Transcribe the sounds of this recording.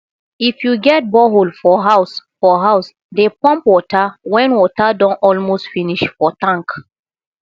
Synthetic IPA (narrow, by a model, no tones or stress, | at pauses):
ifjuɡɛt̚bɔɦolfɔɦasfɔɦaʊs | depɔ̃mpwɔtʰawɛ̃nwɔtadɔ̃nɔlmostfiniʃfɔtãŋk